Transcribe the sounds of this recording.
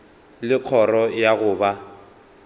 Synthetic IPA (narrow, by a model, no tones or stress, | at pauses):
lɪq͡χʰɔrɔjaɣʊːba